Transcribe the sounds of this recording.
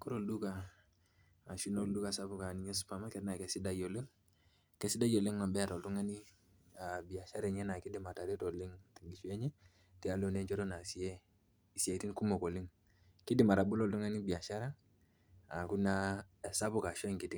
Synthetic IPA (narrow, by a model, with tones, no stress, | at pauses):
ko˦ɾo˦˨ldu˦ka˨ | ʃi˦no˦ldu˦ka˨sa˦bu˨ka˨ni˨˦ɲɛ˦su̥˦pa˨ma˦kɛ˦tna˨kɛ˨si˦da˦jo˨li˦ŋ | kɛ˦si˦da˦jo˨li˦ŋma˨bɛ˦a˨tɔ˨ltu˦ŋa˦ni˦ | a˨bi˨a˨ʃa˦ɾe˨ɲɛ˦na˨ki˦di˨ma˨ta˨ɾi˦to˨li˦ŋti˨ŋɡi˨ʃu˦ɛ˦ɲɛ˦ | ti˨a˦lo˨ne˦nt͡ʃɔ˦ɾo˦na˨si˨e˦ | i˨si˨e˨ti˦nku˦mo˨ko˨li˦ŋ | ki˦di˨ma˨ɾa˨bu˦lɔ˦˨ltu˦ŋa˦ni˦bi˨a˨ʃa˦ɾa˦ | a˨ku˦na˦˨sa˦bu˨ka˨ʃɔ˦ŋki˨ti˦ŋ